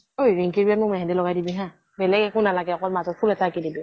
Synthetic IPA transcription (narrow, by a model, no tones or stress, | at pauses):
ojɹɛŋkiɹbiat̚mumɛ̃ɦɛ̃dɛlɔɡajdibĩɦɛ̃ | bɛlɛkɛkʊ̃nalaɡɛɔkɔtmazɔt̚pʰulɛtaakidibi